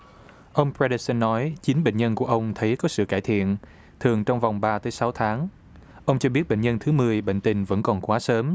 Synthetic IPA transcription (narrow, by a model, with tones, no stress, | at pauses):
ʔə˧wŋ͡mpɹɛ˧ɗə˧sə˧nːɔ˨˦jt͡ɕi˨˦nɓə̰˧˨ŋ̟ɲə˧nku˧˩əʔə˧wŋ͡mt̪ʰə˨˦jkɔ˨˦sɨ̰˧˨kaː˧˩jt̪ʰḭ˧˨ən | t̪ʰɨ˨˩əŋt͡ɕɔ˧wŋ͡mva˨˩wŋ͡mɓaː˧t̪əː˨˦jsa˨˦wt̪ʰaː˨˦ŋ | ʔə˧wŋ͡mt͡ɕɔ˧ɓi˦˥ət̚ɓḛ˧˨ɲə˧nt̪ʰɨ˨˦mɨ˨˩əjɓḛ˧˨ŋ̟t̪ï˧˩ŋ̟və̰˧˥nkɔ˨˩nkwaː˨˦səː˨˦m